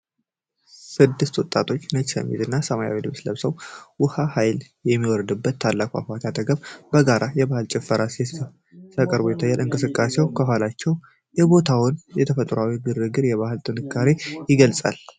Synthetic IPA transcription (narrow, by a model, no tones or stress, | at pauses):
sɨd̪ːɨst̪wɔt̪ʼat̪ʰo̞t͡ʃːnət͡ʃsə̰mːḭt̪ɨnːasəmaja̰wid̪ɨβsləβsəwwʊhahajl | jɛmːiwɔɾd̪ɨbːət̪ʰːalːakʷʼa̰fat̪ʰat̪ʰəɡəβbəɡaɾʔajɛbahɨlt͡ʃʼɛfːəɾase | t̪ʰəkʼəɾbojɛt̪ʰajːalɨŋkʼɨsɨkʼːase̞wkʰəɦalat͡ʃːɛw | jɛbo̞t̪ʰawʊnjɛt̪ʰəfət̪ʼɾawiɡɨɾɨɡɨɾjɛβaɦɨlt̪ʼɨnɨkʰːaɾejɪɡəlsʼa̰l